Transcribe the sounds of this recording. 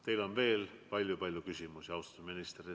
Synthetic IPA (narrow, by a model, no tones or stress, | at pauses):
t̪e̞jlo̞nve̞ːlpɑlʲːjupɑlʲjukysʲimusiɑwst̪ɑt̪uminist̪ri